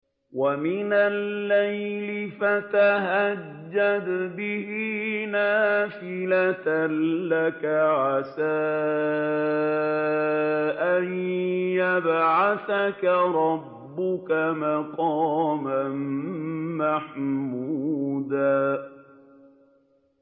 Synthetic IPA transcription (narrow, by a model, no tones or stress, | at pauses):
wamɪnalːajlɪfat̪aɦad͡ʒːad̪bɪhinaːfɪlat̪nlakaʕasaː | ʔanjabʕaθakaɾˤɑbːʊkamaqɑːman | maħmud̪aː